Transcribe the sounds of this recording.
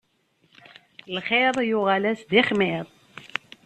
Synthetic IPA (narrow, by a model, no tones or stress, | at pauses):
lχeɾˤjʊʁalæsðiχmiðˤ